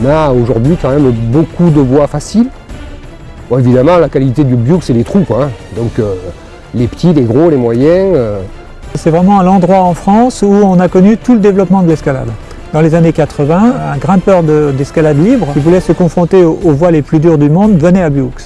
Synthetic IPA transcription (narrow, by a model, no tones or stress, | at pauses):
maoʒuʁd̪ɥikɑ̃mɛmbokud̪əvwafasil | bɔ̃evid̪amɑ̃lakalit̪ed̪ybjuksɛlet̪χukwaɛ̃d̪ɔ̃kø | lepə̥t̪ileɡʁolemwajɛ̃ø | sɛvʁɛmɑ̃ɛ̃lɑ̃d̪ʁwaɑ̃fχɑ̃suɔ̃nakɔnyt̪uləd̪evlɔpmɑ̃d̪əlɛskala̰d̪ | d̪ɑ̃lezanekat̪χəvɛ̃ɛ̃ɡʁɛ̃pœʁd̪əd̪ɛskalad̪libʁʲivulɛsəkɔ̃fχɔ̃t̪eoovwaleplyd̪yʁd̪ymɔ̃d̪vənɛabjuk